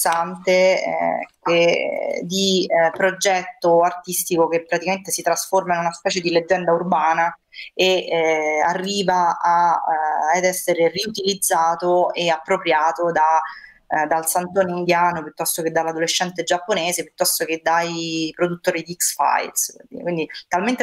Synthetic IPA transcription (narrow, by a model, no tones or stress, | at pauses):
sant̪ḛ | ked̪ipɾod͡ʒɛt̪ːoart̪ist̪ikokepːɾat̪ikament̪esit̪ɾasformainunaspɛːt͡ʃed̪iled͡ʒːɛnd̪aurbaːna | e | arːiːvaa | ɛd̪ɛsːeɾeriut̪ilid̪zːaːt̪oeapːɾopɾjaːt̪od̪a | d̪alsant̪oːneind̪jaːnopjut̪ːɔst̪oked̪ːalːad̪oleʃːɛnt̪ed͡ʒapːoneːzepjut̪ːɔst̪ok̟ed̪ːajpɾod̪ut̪ːoːɾid̪iiksfa̰a̰jlsikwind̪it̪alment̪e